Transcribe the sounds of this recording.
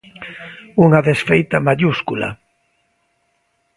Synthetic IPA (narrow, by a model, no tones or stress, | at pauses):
uŋaðesfejt̪amaʎuskṵla̰